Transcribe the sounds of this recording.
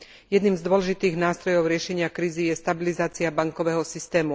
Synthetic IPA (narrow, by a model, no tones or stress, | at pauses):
jɛd̪niːmzd̪ʊɔlɛʒit̪iːɣnaːst̪ɾɔjɔʊɾɪɛʃɛɲɪakɾiːzijɛst̪abilizaːt͡siabaŋkɔʋɛɦɔsist̪ɛːmu